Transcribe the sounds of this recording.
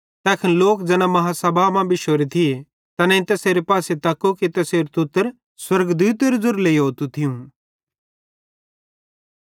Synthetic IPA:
t̪ɛːkʰɪnloːkd͡ʒɛːnãmɐɦasɐbʱamãbʱiʃoːɾit̪ʰie | t̪ɐnɛ̃ɪ̃t̪ɛːseːɾepaːset̪ɐkːokit̪ɛseːɾut̪ʊt̪ːəɾ | swɐɾɡd̪uːt̪eɾuzʊɾleːiɦoːt̪ut̪ʰɪjũ

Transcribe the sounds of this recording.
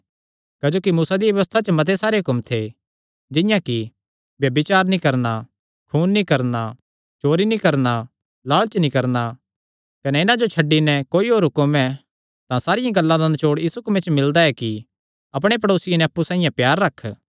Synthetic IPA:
kɐd͡ʒoːkimuːsad̪iʋjɐjʋəst̪ʰat͡ʃəmɐt̪̬ʰesaːɾeɦʊkʊmt̪ʰe | d͡ʒɪjãki | bjɐbɪt͡ʃaːɾnĩkɐɾna | kʰuːnːikɐɾna | t͡ʃoːɾinikɐɾna | laːɭt͡ʃnĩkɐɾna | kɐnɛɪnãd͡ʒot͡ʃʰɐɖːinɛkoːiɦoːɾɦʊkɐmɛ̃ | t̪ãsaːɾɪjãɡɐlːãd̪anɐt͡ʃoːɽjiːsukmẽt͡ʃmɪld̪aɛki | ɐp̬ɽ̃ep̬ɐɽoːsɪjanɛɐpːusãːĩjãpjaːɾːɐkʰː

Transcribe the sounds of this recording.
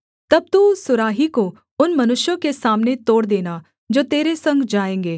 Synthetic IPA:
t̪ɐb̚t̪uːsʊɾaːɦiko | ʊnmɐnʊʃjõkesaːmnet̪oːɽd̪eːna | d͡ʒoːt̪eːɾesɐ̃ŋɡd͡ʒaːẽːŋɡeː

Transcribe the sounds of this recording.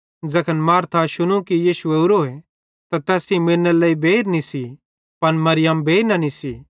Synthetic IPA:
d͡zɐkʰənmaːɾt̪ʰaʃʊñũkijiːʃueʊɾoːe | t̪at̪ɛːsĩmeːnːəlɐibeːɾnisi | pɐnmɐɾɪjəmbʱeːiɾnɐnisi

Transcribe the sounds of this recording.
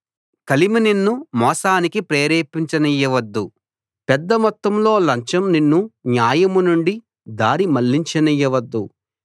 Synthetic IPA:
kɐlimɐninːumɔːsaːnikipɾeːɾeːpiɲt͡ʃɐnijːɐʋɐd̪ːu | pɛd̪ːɐmɔt̪ːɐmlo̞ːlɐɲt͡ʃɐmninːunjaːjɐmunuɳɖi | d̪aːɾimɐlːiɲt͡ʃɐnijːɐʋɐd̪ːu

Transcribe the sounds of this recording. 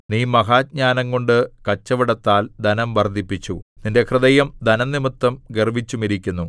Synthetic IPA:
niːmɐɡaːd̚ɲaːnɐŋko̞ɳɖɨkɐt͡ɕːɐʋiɽɐt̪ːaːld̪ɐnɐmʋɐrd̪ʱipːit͡ɕːuninde̞krɨd̪ɐjɐmd̪ɐnɐnːimɨt̪ːɐmɡerbit͡ɕːumiɾikʲːunːu

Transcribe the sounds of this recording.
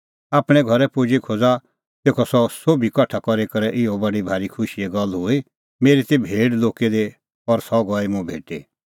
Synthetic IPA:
aːpɽ̃ɛ̃ɡʱɔɾɛpʊd͡ʒikʰoːd͡za | t̪eːkʰɔsɔsoːbʱikɐʈʰakɔɾekɐɾɛʔɪɔbɐɽibʱaːɾikʰʊʃiɛɡɐlːɦʊi | meːɾit̪ebʱeːɽloːked̪e | ɔɾsɔɡɔːimʊ̃bʱḛːʈe

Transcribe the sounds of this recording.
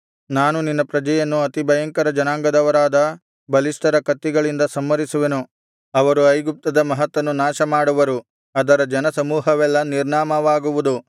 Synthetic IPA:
naːnuninːɐpɾɐd͡ʒɐjɐnːuɐt̪ibɐjɐŋkɐɾɐd͡ʒɐnaːŋɡɐd̪ɐʋɐɾaːd̪ɐ | bɐlisʈɐɾɐkɐt̪ːiɡɐɭind̪ɐsɐmːɐɾisuʋenu | ɐʋɐɾuɐjɡup̚t̪ɐd̪ɐmɐɦɐt̪ːʋɐnːunaːʃɐmaːɽuʋɐɾu | ɐd̪ɐɾɐd͡ʒɐnɐsɐmuːɦɐʋɛlːɐniɾɳaːmɐʋaːɡuʋud̪u

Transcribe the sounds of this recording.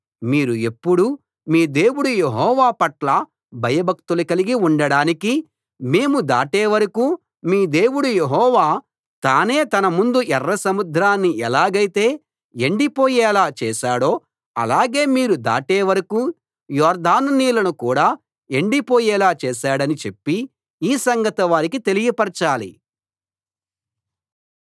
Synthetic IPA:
miːɾue̞pːuɽu | miːd̪e̞ːwuɽujeɦɔːʋaːpɐʈlɐ | bʱɐjɐbʱɐk̚t̪ulɐkɐliɡiuɳɖɐɽaːniki | me̞ːmud̪a̰ːʈeːʋɐɾɐkuː | miːd̪e̞ːwuɽujeɦɔːʋaː | t̪aːne̞ːt̪ɐnɐmund̪uʔɛrːɐsɐmud̪ʱɾaːnːiɛlaːɡɐjt̪eː | eɳɖipoːjɛːlaːt͡ʃɛːʃaːɽo̞ː | ɐ̰laːɡe̞ːmiːɾud̪a̰ːʈeːʋɐɾɐkuː | jɔːɾd̪aːnniːlɐnukuːɽaː | e̞ɳɖipoːjɛːlaːt͡ʃɛːʃaːɽɐnit͡ʃe̞pːi | iːsɐŋɡɐt̪ɐʋaːɾik̬it̪e̞liɡipɐɾt͡ʃaːlḭ

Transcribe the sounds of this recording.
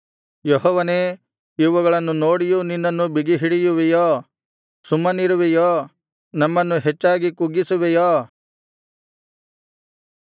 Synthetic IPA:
jɔɦɔːʋɐneː | iʋɐɡɐɭɐnːunoːɽijuninːɐnːubiɡiɦiɽijuʋijɔː | sumːɐniɾuʋijoː | nɐmːɐnːuɦet͡ʃːaːɡikuɡisuʋɛjɔː

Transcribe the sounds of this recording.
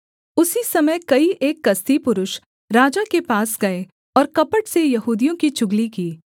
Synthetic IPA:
ʊsisɐməjkɐiʔeːkːɐst̪ipʊɾʊʃ | ɾaːd͡ʒakepaːsɡɐe | ɔːɾkɐpəʈsejɐɦuːd̪ijõkit͡ʃʊɡlikiː

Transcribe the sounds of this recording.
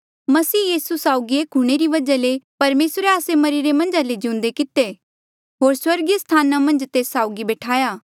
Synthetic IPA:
mɐsiːjiːsusaːʊɡieːkɦʊɽ̃eɾiʋɐd͡ʒalepɐɾmeːsɾeaːsemɐɾiɾemɐ̃nd͡ʒaled͡ʒiʊ̃nd̪ekɪt̪e | ɦoːɾswɐɾɡjast̪ʰaːnamɐ̃nd͡ʒt̪eːsːaːʊɡibɛːʈʰaːjaː

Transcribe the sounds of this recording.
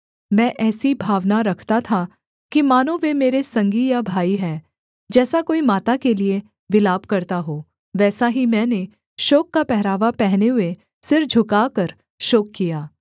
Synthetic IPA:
mɛ̃ːʔɛːsibʱaːʋnaɾɐkʰt̪at̪ʰa | kimaːnõʋemeːɾesɐ̃ŋɡijabʱaːiɦɛ̃ː | d͡ʒɛːsakoːimaːt̪akelie | ʋɪlaːbkɐɾt̪aɦoː | ʋɛːsaɦimɛ̃ːne | ʃoːkːapɛɦɾaːʋapɛɦneɦʊe | sɪɾfd͡ʒʱʊkaːkəɾ | ʃoːkːijaː

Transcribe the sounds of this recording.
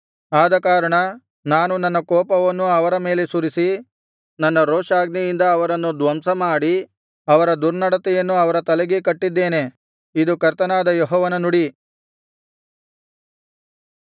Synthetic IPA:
aːd̪ɐkaːɾɐɳɐ | naːnunɐnːɐkɔːpɐʋɐnːuɐʋɐɾɐme̞ːle̞suɾisi | nɐnːɐɾoːʂaːɡnɛjind̪ɐːʋɐɾɐnːud̪ʋɐmsɐmaːɽi | ɐʋɐɾɐd̪uɾnɐɽɐt̪ɛjɐnːuɐʋɐɾɐt̪ɐlɛɡekɐʈːid̪ːeːne̞ | id̪ukɐɾt̪ɐnaːd̪ɐjɔɦɔːʋɐnɐnuɽi

